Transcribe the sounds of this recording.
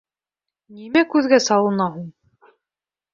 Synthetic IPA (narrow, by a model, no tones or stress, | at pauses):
nimækʉðɡæsɑw̪ˠɤ̆nɑɦuɴ